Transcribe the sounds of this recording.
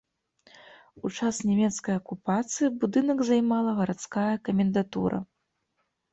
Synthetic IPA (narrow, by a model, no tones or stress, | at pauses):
ut͡ʂasnʲɛmʲɛt̪skɐjɐkupat̪sɨjibud̪ɨnɐɡzajmalˠɐɣɐɾat̪skajɐkɐmʲɛnd̪at̪ṵɾɐ̰